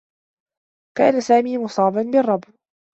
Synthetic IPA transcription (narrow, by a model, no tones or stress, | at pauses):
ka̰ːnasaːmiːmʊsˤɑːbanbɪrˤːɑb